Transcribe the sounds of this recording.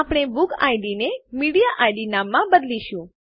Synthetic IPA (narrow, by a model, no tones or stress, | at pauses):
apɽ̃ebʊka̰jɖinemiɽijaʔajɖinamːãbəd̪liʃũ